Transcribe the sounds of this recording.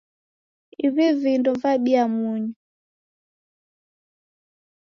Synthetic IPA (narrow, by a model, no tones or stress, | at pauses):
iβivindɔvaɓiamuɲu